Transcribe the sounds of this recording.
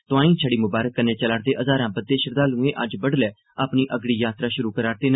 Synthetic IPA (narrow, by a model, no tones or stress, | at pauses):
t̪ʊãːĩːt͡ʃʰəɽiːmʊbaːɾəkːəneːt͡ʃəlaːɽd̪eːʔəzaːɾãːbəd̪̚ːeːʃəɾd̪aːlũːẽːʔəd͡ʒbəɽlɛː | apniːʔəɡɽiːjaːt̪ɾaːʃʊɾuːkəɾaːɾt̪eːnː